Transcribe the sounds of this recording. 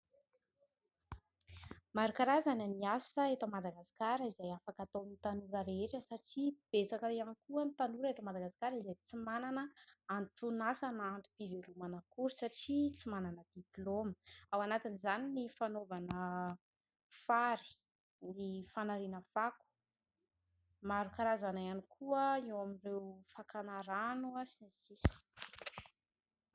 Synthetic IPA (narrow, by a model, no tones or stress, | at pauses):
maɾakaɾazananiasəet̪omad̪aɡaskaɾəizajafakat̪onit̪anuɾəɾeeʈ͡ʂəsaʈ͡ʂib̥et͡sakəiankuənit̪anuɾəet̪omad̪aɡasi̥kaɾizajt͡simananəant̪unasanant̪u̥b̥ivelumanəkuɾisaʈ͡ʂit͡simananəd̪iploməawanat̪inizaninifanovanə | faɾi̥ | nifanaɾinəfaku̥ | maɾukaɾazanajanikʰuəewaminrewfakanaɾanuasinisisi̥